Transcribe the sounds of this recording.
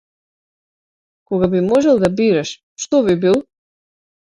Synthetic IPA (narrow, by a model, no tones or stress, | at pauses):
kɔɣabimɔʒɛlˠd̪abiɾaʃ | ʃt̪ɔβibilˠ